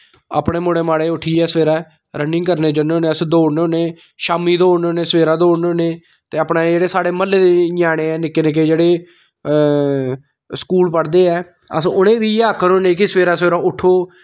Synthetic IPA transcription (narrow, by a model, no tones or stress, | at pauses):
a̰ːpɽeːmoːɽeːmaːɽeːʊʈʰːiːɛːsʋeːɾaː | ɾənɖɪŋɡkəɾneːd͡ʒəneoːneːəsd̪oːɽneoːneː | ʃaːmiːd̪oːɽnoːneːsʋeːɾaːd̪oːɽnoːneː | t̪eːaːpnaːd͡ʒeːɽeːsaːɽeːməlːeːd̪eːɲaːɽ̃eːɛːnɪkːeːnɪk̬ːeːd͡ʒeːɽeː | skuːlpəɽd̪eːɛː | ə̰sʊnẽːʋiːaːkʰːəɾõːnẽːkɪsəʋeːɾaːsʋeːɾaːʊʈʰːoː